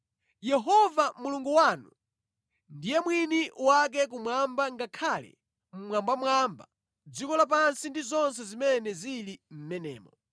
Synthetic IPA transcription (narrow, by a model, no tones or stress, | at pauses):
jɛɦɔvamuluŋɡuwaːnu | ndijɛmwiniwak̬ɛk̬umwambaŋɡakʰalɛ̰ | m̩mwambamwamba | d͡zikɔlap̬ansindizɔns̬ɛzimɛnɛzilim̩mɛnɛ̰ːmɔ